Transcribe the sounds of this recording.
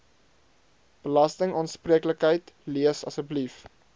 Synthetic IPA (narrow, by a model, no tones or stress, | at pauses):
b̥əlɐstəŋɑːnspriəkləkɦəjtliəsɐsəblif